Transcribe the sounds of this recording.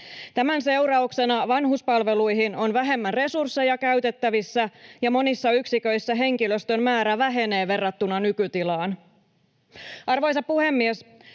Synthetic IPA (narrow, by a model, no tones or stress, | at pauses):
t̪æmænse̞uɾɑukse̞nɑʋɑnɦuspɑlʋe̞lujɦino̞nʋæɦe̞mːænre̞sursːe̞jɑkæɥt̪e̞t̪ːæʋisːæjɑmo̞nisːɑyksikø̞jsːæɦe̞ŋkiløst̪ø̞mmæːɾæʋæɦe̞ne̞ːʋe̞rːɑt̪ːunɑnykyt̪ilɑːn | ʔɑrʋo̞jsɑppuhe̞mːies